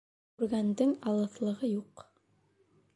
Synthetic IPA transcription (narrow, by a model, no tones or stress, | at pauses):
kʉɾɡænd̪ɘŋɑlˠɤ̆θlˠɤ̆ʁɤjuq